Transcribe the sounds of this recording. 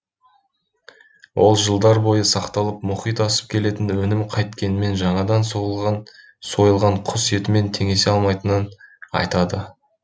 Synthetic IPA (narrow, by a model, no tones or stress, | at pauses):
wʔo̞̰lˠʒəlˠd̪ɑɾbo̞jəsɑqt̪ɑlˠəpmʊχijt̪ɑsə̥p̚kʲʰe̞le̞t̪ɪnwɵnɪmqʰɑjt̪kʲe̞nɪme̞nʒɑɴɑd̪ɑnso | so̞jəlˠʁɑɴqʰʊse̞t̪ɪme̞nt̪ʰe̞ŋe̞seɑlˠmɑjt̪ənənɑ̰jt̪ɑd̪ə